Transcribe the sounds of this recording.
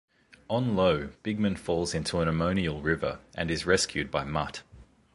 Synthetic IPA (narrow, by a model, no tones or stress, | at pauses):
ə̃nləʊb̥ɪɡ̚mɨ̃nfɔːlˠzɪ̃ntʰuə̃nəmə̃ʊ̃niəlˠɹɪvə̰˞ʔɨ̃nɨzɹɛskjʉd̚baɪmʌt